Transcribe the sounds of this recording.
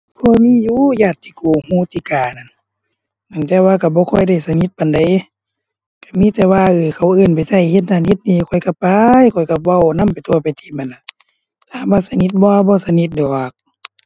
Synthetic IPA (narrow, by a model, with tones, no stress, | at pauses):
pʰɔː˧˨miː˧˥˨juː˧˥˨jaː˧˩t̪ʰːiː˧kuː˨˩huː˧˦˨t̪iː˧˨kaː˨˩na˧˩˨n | na˧˨ŋt̪ɛː˧waː˧ka˧˩bɔː˧˦kʰɔ˧˩jda˧˩jsa˧ni˧˦t̪̚pa˨nda˨j | ka˧˩miː˧˥˨t̪ɛː˧waː˧ʔɯː˧˩kʰa˧˩wʔɯː˧˩˨npa˨jsa˧˩jhe˧t̪̚naː˧˨nhe˧˦t̪̚niː˧˨kʰɔ˧˩jka˧˩pa˧jkʰɔ˧˨˩jka˧wa˧˨wna˧˥˨mpa˨jt̪ʰu˧ɐ˨pa˨jt̪ʰiː˧˦ma˨nla˧˨ | t̪aː˨˧˦baː˧sa˧ni˧˦t̪̚bɔː˧a˧bɔː˧˨sa˧ni˧˦t̪̚dɔː˨˩k̚